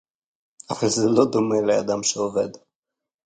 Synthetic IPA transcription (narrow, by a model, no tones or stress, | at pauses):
avalzɛlod̪omelead̪amʃeoved̪